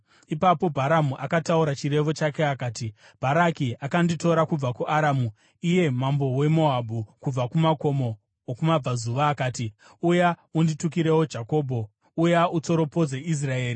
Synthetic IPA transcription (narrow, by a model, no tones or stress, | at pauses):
ipapo̞bʱaɾamuʔakatauɾat͡ʃire̞ʋo̞t͡ʃake̞akaːti | b̥ʱaɾakiʔakandito̞ɾakub͡vakuʔaɾaːmu | ije̞mambo̞we̞mo̞ɦabukub͡vakumako̞mo̞ː | kumab͡vazuʋaːkaːti | ujaunditukiɾe̞wod͡ʒako̞ːbʱo̞ | ujaut͡so̞ɾo̞po̞d͡zeis̬rae̞ːri